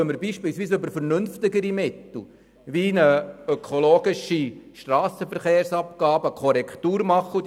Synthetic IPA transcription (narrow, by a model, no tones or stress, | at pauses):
œməɾbiːʃpɪːlsʋiːsɵbəɾfəɾnʏnft̪ɪɡəɾimɪt̪l̩ˠ | ʋinəœkʰoloːɡɪʃiʃtrɑːsəfəɾχeːɾsɑpkɑːbəkʰɔɾɛkʰt̪uːɾmɑχːə